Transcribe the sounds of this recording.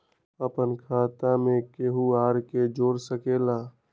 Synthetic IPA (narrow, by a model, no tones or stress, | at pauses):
əpənkʰaːt̪amẽkeɦuaːɾked͡ʒoːɾsəkela